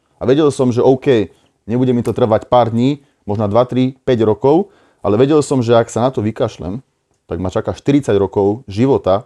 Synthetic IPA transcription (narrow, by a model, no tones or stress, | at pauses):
aʋɛɟɛlsɔmʒɛʔɔʊkɛj | ɲɛbuɟɛmit̪ɔt̪r̩ʋacpaːɾd̪ɲiː | mɔʒnad̪ʋat̪ɾipɛɟɾɔkɔʊ | ʔalɛʋɛɟɛlsɔmʒɛaksanat̪ɔʋikaʃlɛ̰m | t̪aɡmat͡ʃakaʃt̪iɾit͡saɟɾɔkɔʊʒiʋɔt̪a